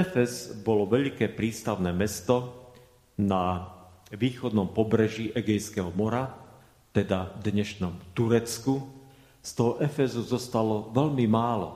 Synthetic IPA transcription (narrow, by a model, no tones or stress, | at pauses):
ɛfɛzbɔlɔʋɛʎkɛːpɾiːst̪aʊnɛːmɛst̪ɔ | na | ʋiːxɔd̪nɔmpɔbɾɛʒiʔɛɡɛjskɛɦɔmɔɾa | t̪ɛd̪ad̪ɲɛʃnɔmt̪uɾɛt͡sku | st̪ɔɦɔʔɛfɛzuzɔst̪alɔʋɛʎmimaːlɔ̰